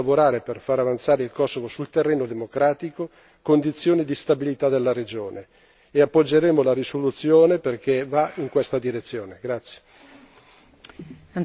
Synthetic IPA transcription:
avoɾaːɾeperfaɾavant̪saːɾeilkɔsːovosult̪erːeːnod̪emokɾaːt̪iko | kond̪it̪sːjoːnid̪ist̪abilit̪ad̪elːaɾed͡ʒoːneː | apːod͡ʒːeɾeːmolaɾisolut̪sjoːneperk̟evaiŋkwest̪ad̪iɾet̪sːjoːneɡɾat̪sːje̥

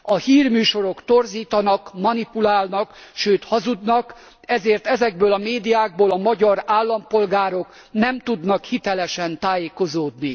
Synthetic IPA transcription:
ɒhiːrmyːʃo̞ɾo̞kt̪orziːt̪ɒnɒkmɒnipulaːlnɒkʃøːt̪hɒzud̪nɒk | ɛzeːrt̪ɛzɛɡ̚bøːlɒmeːd̪ijaːɡ̚boːlɒmɒɟɒɾaːlːɒmpo̞lɡaːɾo̞k | nɛmt̪ud̪nɒkhit̪ɛlɛʃɛnt̪aːjeːko̞zoːd̪ni

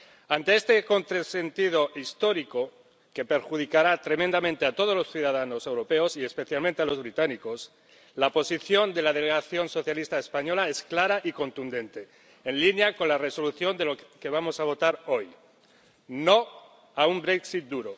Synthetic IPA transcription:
ant̪eest̪e̞ko̞nt̪ɾase̞nt̪ið̞o̞ʔist̪o̞ɾiko̞ | ke̞pe̞ɾxuðikaɾat̪ɾe̞mend̪amẽnt̪e̞at̪o̞ðo̞zlo̞sθjuðað̞ano̞se̞wɾo̞pe̞osie̞spe̞θjalmẽnt̪ealo̞zβɾit̪aniko̞s | lapo̞siθjo̞nd̪e̞lað̞eleɣaθjo̞nso̞θjalist̪aespaɲo̞lae̞sklaɾaʔiko̞nt̪und̪ẽ̞nt̪e | enlinjako̞nlareso̞luθjo̞nd̪eloke̞β̞amo̞saβ̞o̞t̪aɾo̞j | no̞ | aumbɾeksit̪̚d̪uɾo

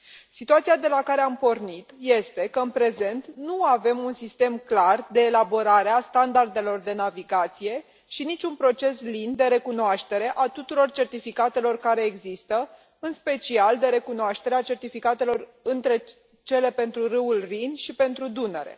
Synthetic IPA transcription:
sit̪uat̪sijad̪e̞lakaɾe̞ampo̞rnit̪je̞st̪e̞kəɨnpɾe̞ze̞nt̪nuave̞munsist̪e̞mklard̪e̞ːlabo̞ɾaɾeast̪and̪ard̪e̞lo̞rd̪e̞naviɡat̪sije̞ | ʃinit͡ʃʲunpɾo̞t͡ʃe̞slind̪e̞ɾe̞kunoaʃt̪e̞ɾe̞ʔat̪ut̪uɾo̞rt͡ʃe̞rt̪ifikat̪e̞lo̞rkaɾe̞ːɡzist̪ə | ɨnspe̞t͡ʃiald̪e̞ɾe̞kunoaʃt̪e̞ɾeat͡ʃe̞rt̪ifikat̪e̞lo̞rɨnt̪ɾe̞ | t͡ʃe̞le̞pe̞nt̪ɾuɾɨulrinʃipe̞nt̪ɾud̪unḛɾe̞̰

